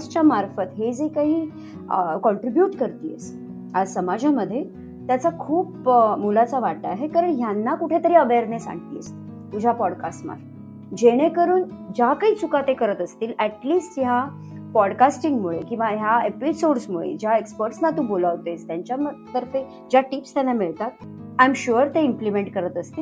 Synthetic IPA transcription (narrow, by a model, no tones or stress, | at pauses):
d͡zt͡ɕjamaɾfət̪ɦed͡zekaɦiː | kɔɳʈɾibjuːʈkəɾt̪iːḛs | asəmad͡ʑʱaməd̪ʱːje | t̪jat͡sakʰuːpmulat͡saʋat̪aaɦekaɾəɳɦjanːakuʈʰet̪əɾiəʋeɾnesã̰ɳt̪ḭːə̰st̪i | t̪ud͡ʑʱapɔɽka̰sʈma̰ɾfə | d͡ʑeɽ̃ekəɾuːn | d͡ʑakaiːt͡sʰukat̪ekəɾət̪əst̪iːlæʈliːsʈja | pɔɽkasʈiŋɡmuɭekĩw̃ʋaɦjaepisoɽsmuɭḛd͡ʑjaekspəɾʈsnat̪ũːbolaʋt̪est̪jaɲt͡ɕjamt̪əɾfe | d͡ʑjaʈipst̪janːamiɭt̪at̪̚ | ajmɕuəɾt̪eimplimeɳʈ̚kəɾət̪əst̪iː